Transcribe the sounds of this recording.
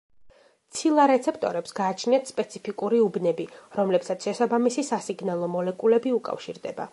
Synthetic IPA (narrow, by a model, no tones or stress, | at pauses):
t̪sʰilˠaɾɛt̪sʰɛpʰt̪ʼɔɾɛpsɡaːt͡ʃʰniat̪spʼɛt̪sʰipʰikʼuɾiubnɛbiɾɔmlɛpsat̪sʰʃɛsabamisisasiɡnalˠɔmɔlɛkʼulɛbiukʼa̰fʃiɾd̪ɛba̰